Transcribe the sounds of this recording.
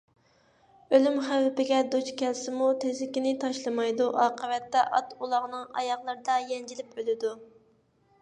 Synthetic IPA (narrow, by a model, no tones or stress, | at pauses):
ølymχæwɪpɪɡʲɛd̪ut͡ʃkʲʰɛlsɪmut̪ʰezlɪkʲinɪt̪ʰɑʃlˠɨmɑjd̪uʔɑːqəwɛt̪ːɛʔɑt̪ulˠɑʁnɨŋɑ̰jɑχlˠɨɾɨd̪ɑjɛnd͡ʒilɪpølɪd̪u